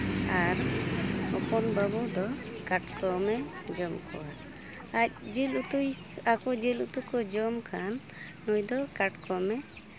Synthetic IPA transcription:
aɾ | ɔpɔnbabɔd̪ɔkaʈkɔmɛd͡ʒɔmkʰɔ̰wa | ac̚d͡ʒilut̪u | akɔd͡ʒilut̪ukɔd͡ʒɔmkʰanː | ujd̪ɔkaʈkɔmɛ

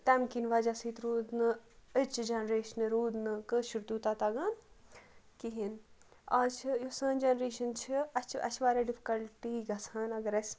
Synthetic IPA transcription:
t̪amkinʋɐd͡ʒasiːt̪ɾuːd̪nɨət͡ʃd͡ʒɐnɾeːʃɐnɨɾuːd̪nɨkɨʃuɾt̪uːt̪at̪ɐɡaːn | kiɦin | aːt͡ʃʰjosɐːnd͡ʒɐːnɾeːʃɐnt͡ʃʰiɐt͡ʃɐ̰t͡ʃʰʋaːɾeɖifʰi̥kɐlʈiːɡɐsʰɐːnɐɡɐɾɐs

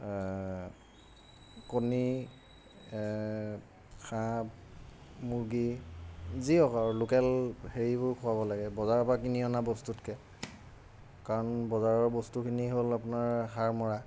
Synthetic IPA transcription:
koni | xʰa | muɹɡi | ziɔkaɹlokɛlheɹibʊɹkʰʊabɔlaɡɛbɔzaɹpakiniɔnabɔstutkɛ | kaɹɔnbɔzaɹɔɹbɔstukʰiniɦolapʊnaɹɦaɹmɔɹa

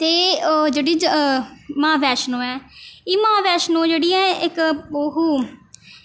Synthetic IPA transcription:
t̪eːd͡ʒeːɽiː | mãːʋɛːʃnõːɛːiːmãːʋɛːʃnõːd͡ʒeːɽiːɛ̃ːɪkoɦuː

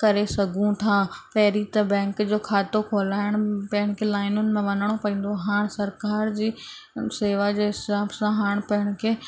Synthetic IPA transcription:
kɐɾesɐɡʱũt̪ʰaːpɐɦɪɾit̪ɐbɛ̃ːŋkd͡ʑoːkʰaːt̪okʰoːlaːɪɽ̃pɐɦɪɽ̃kʰelaːɪnʊnɪ̆mẽʋɐnəɽ̃opɐĩːn̆d̪oɦaːɽ̃sɐɾkaːɾd͡ʑiː | seːʋad͡ʑeːɦɪaːbsãɦaːɽ̃pɐɦɪɽ̃̆kʰeː

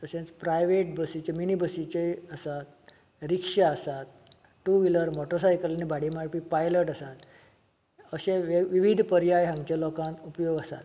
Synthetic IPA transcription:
t̪əsẽnt͡spɾajʋeʈ̚bəsit͡ɕeminibəsit͡ɕeəsat̪̚ | ɾikʂaəsat̪ | ʈuʋiləɾmɔʈəɾsajkəlanibaɽimaɽpipajləʈəsat̪ | əɕeʋiʋid̪ʱpəɾjajɦãŋɡt͡ɕalɔkãnt̪upjoɡəsa̰t̪

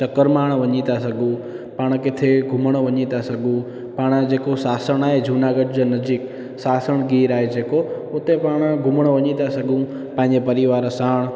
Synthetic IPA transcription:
t͡ʃɐkəɾmaːɽ̃ʋɐɲĩt̪asɐɡũ | paːɽ̃kɪt̪ʰeɡʱʊməɽ̃ʋɐɲĩt̪asɐɡũ | paːɽ̃d͡ʒeːkosaːsəɽ̃aːɦed͡ʒʱuːnaːɡəʈd͡ʑonɐd͡ʒik | saːsəɽ̃ɡiːɾaːɦed͡ʒeːko | ʊt̪epaːɽ̃ɡʱʊməɽ̃ʋɐɲĩt̪asɐɡʱũ | pãɦɪ̃ɲd͡ʑepɐɾɪʋaːɾsaːɽ̃

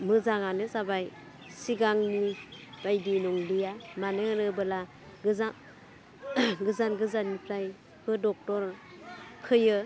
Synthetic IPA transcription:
mɯzaŋanɯzabaj | siɡaŋnib̥ajdinɔŋlijamanɯanɯbɯla | ɡɯza | ɡɯzanɡɯzannipʰɾaj | bɯdɔk̚tɔɾ | pʰɯjɯ

